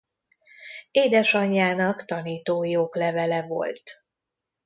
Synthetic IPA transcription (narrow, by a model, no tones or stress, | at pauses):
eːd̪ɛʃɒɲːaːnɒkt̪ɒniːt̪oːjoːklɛvɛlɛvo̞̰lt̪